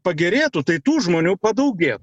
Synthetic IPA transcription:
pɐɡʲɛɾʲeːt̪ʊt̪ɐɪt̪uːʒmoːnʲuːpɐd̪ɐʊɡʲeːt̪ʊ

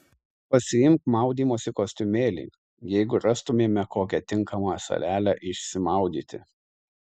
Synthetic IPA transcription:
pɐsʲɪjɪmkmɑˑʊd̪ʲiːmoːsʲɪkoːsʲt̪ʲʊmʲeːlʲɪ̰ː | jɛɪɡʊɾɑst̪ʊmʲeːmʲɛkoːkʲɛt̪ʲɪŋˑkɐmɑsɐ̰lʲæːlʲɛʔɪʃʲsʲɪmɑˑʊd̪ʲiːt̪ʲɪ̰

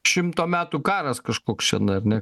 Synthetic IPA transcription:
ʃʲɪmt̪oːmʲæːt̪uːkɑːɾɐskɐʃkoːkst͡ʃʲɛnɐɐɾnʲɛ

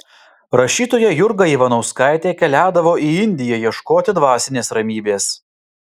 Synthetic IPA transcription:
ɾɐʃʲiːt̪oːjɛjʊɾɡɐiːʋɐnɐʊskɑˑɪt̪ʲeːkʲɛlʲæːd̪ɐʋoːʔiɪnʲd̪ʲɪjɛjiɛʃkoːt̪ʲɪd̪ʋɑːsʲɪnʲeːsɾɐmʲiːbʲeːs

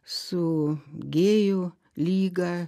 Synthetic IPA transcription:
soɡejo | liɡa

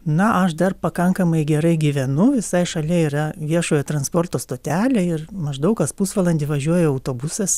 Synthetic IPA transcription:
nɐʔɐʃd̪ɐrpɐkɐŋkɐmɐɪɡʲɛɾɐɪɡʲiːʋʲɛnʊʋʲɪsɐɪʃɐlʲɛiːɾɐʋʲiɛʃoːjɛt̪ɾɐnspoːrt̪oːst̪oːt̪ʲæːlʲeːɪrmɐʒd̪ɐʊkɐspusʋɐlˠɐnʲd̪ʲɪʋɐʒʲuɔjoɐʊt̪oːbʊsɐs

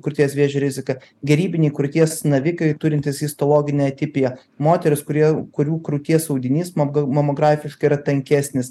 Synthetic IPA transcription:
kʊt̪ʲiɛsʋʲeɛʒʲɛɾʲɪzʲɪkɐ | ɡʲɛɾʲiːbʲɪnʲɛɪkɾʊt̪ʲiɛsnɐʋʲɪkɐɪt̪ʊɾʲɪnʲt̪ʲɪsiːst̪oːlˠoːɡʲɪnʲɛɐt̪ʲɪpʲɪjɛ | moːt̪ʲɛɾʲɪskʊɾʲiɛkʊɾʲuːkɾʊt̪ʲiɛsɐʊd̪ʲɪnʲiːsmmomoɡɾɑːfʲɪʃkɐɪɾɐt̪ɐŋʲkʲæːsʲnʲɪs

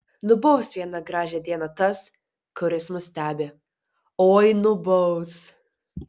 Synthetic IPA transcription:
nʊbɔʊsʋʲiɛnɐɡɾɑːʒʲɛd̪ʲiɛnɐt̪ɐs | kʊɾʲɪsmʊsʲt̪ʲæːbʲe | oːjnʊbɔʊs

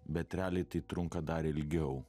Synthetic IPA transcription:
bʲɛt̪ʲɾʲæːlʲɪt̪ɐɪt̪ɾʊŋkɐd̪ɑːɾʲɪlʲɡʲɛʊ

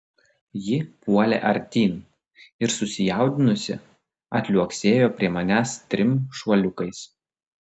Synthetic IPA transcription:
jɪpuɔlʲḛːʔɐɾʲt̪ʲiːn | ɪɾsʊsʲɪjæˑʊd̪ʲɪnʊsʲɪ̰ | ɐt̪ʲlʲuɔksʲeːjoːpʲɾʲiɛmɐnʲæːst̪ʲɾʲɪmʃɐlʲʊkɐɪs

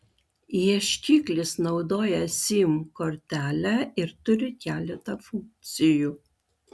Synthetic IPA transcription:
iɛʃʲkʲiːklʲɪsnɒʊd̪oːjɛsʲiːmkoɾʲt̪ʲæːlʲæɪɾt̪ʊɾʲɪkʲæːlʲɛt̪ɐfʊŋk̚t̪sʲɪjuː

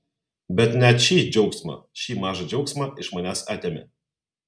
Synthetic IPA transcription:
bʲɛt̪nʲɛt̪ʃʲiːd͡ʒʲɛʊksmɐ̰ʃʲiːmɑːʒɐd͡ʒʲɛʊksʲmɐɪʃmɐnʲæːsɑːt̪ʲeːmʲɛ̰

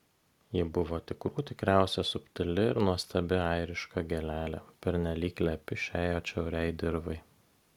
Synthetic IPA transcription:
jɪbʊʋoːt̪ʲɪkɾuːt̪ʲɪkɾʲæˑʊsʲɛsʊpʲt̪ʲɪlʲɪɪɾnuɔst̪ɐbʲɪɐɪɾʲɪʃkɐɡʲɛlʲæːlʲæ̰pʲɛɾʲnʲɛlʲiːklʲæpʲɪʃʲæːjoːt͡ʃʲɛʊɾʲɛɪd̪ʲɪɾʋɐɪ

